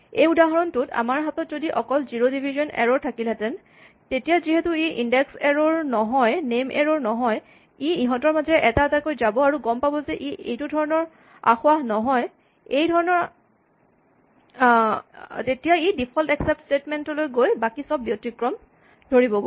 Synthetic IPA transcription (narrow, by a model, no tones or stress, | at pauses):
ejudaɦɔɹɔntʊta̰maɹɦatɔtzodiʔɔkɔlziɹodibʱizɔnɛ̰ɹɔɹtʰakilɛtɛn | tetijaziɦetuiʔindɛksɛɹɔɹnɔɦɔjnemʔɛ̰ɹoɹnɔɦɔj | iiɦɔtɔɹmazɛʔɛtatakojzabɔaɹuɡɔmpabɔzɛʔiḛjtudʱɔɹɔnɔɹ | a̰xʊwanɔɦɔj | ejdʱɔɹɔnɔɹ | tetijaidipʰɔltɛksɛp̚tstetmɛntɔlojɡojbakisɔbːjotikɹɔm | dʱoɹibɔɡo